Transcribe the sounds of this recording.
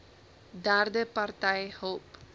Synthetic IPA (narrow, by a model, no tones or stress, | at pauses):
d̪aɾd̪əpart̪ajhoːp